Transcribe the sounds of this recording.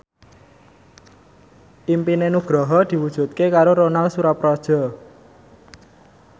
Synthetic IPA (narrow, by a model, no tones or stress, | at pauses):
ʔimpinenuɡ̥ɾɔɦɔd̪̥i̤wud̥ʒ̥ṳt̪̚kekaɾoɾonalsuɾapɾɔd̥ʒ̥ɔ̤